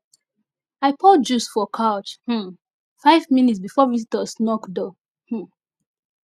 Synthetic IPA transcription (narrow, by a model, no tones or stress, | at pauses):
aɪpʰɔd͡ʒusfɔkʰaʊt͡ʃh̩ | faɪvminitsbifɔvisitəsnɔkdɔ | h̩